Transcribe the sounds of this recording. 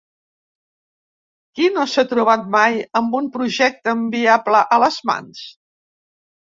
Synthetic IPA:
kinosat̪ɾuβ̞at̪̚majəmbumpɾuʒɛk̚t̪əːmbiapləʔələzma̰ns

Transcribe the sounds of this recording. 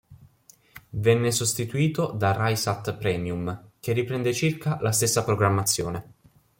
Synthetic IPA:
vɛnːesost̪it̪uiːt̪od̪arajsat̪ːpɾɛːmjumk̟erːipɾɛnd̪et͡ʃirkalast̪esːapɾoɡɾamːat̪sːjo̰ːne

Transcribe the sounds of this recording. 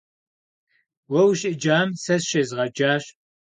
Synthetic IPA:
wɐwʃʼɪd͡ʒaːmsɐsʃezʁɐd͡ʒaːɕ

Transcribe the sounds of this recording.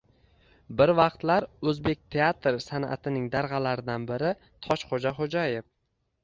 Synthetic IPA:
bɪɾvɑqt̪laɾɵzbe̞k̚ʲt̪ʰe̞at̪ɾsana̰t̪ʰɪnɪŋd̪aɾʁɑlaɾɪd̪anbɪɾɪ | t̪ʰɒʃχod͡ʒaχod͡ʒajef

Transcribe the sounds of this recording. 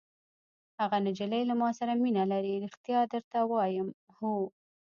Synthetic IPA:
haɣanɪd͡ʒɪlajlamɑsaɾaminalaɾiɾixt̪jɑd̪əɾt̪awɑjəm | hu

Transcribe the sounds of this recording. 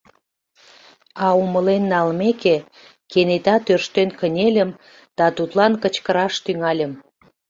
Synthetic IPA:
ɑuməlenːɑlmeke | kenet̪ɑt̪ørʃt̪enkənʲelʲəm | d̪̥ɑt̪ut̪lɑnkət͡ɕkəɾɑʃt̪yŋɑlʲəm

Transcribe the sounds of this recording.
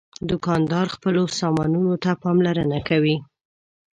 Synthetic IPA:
d̪ʊkɑnd̪ɑɾxpəlosɑmɑnunot̪apɑmlaɾənakawi

